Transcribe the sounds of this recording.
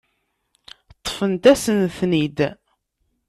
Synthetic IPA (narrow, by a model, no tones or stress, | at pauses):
t̪ˤːfənt̪æsənθnid̪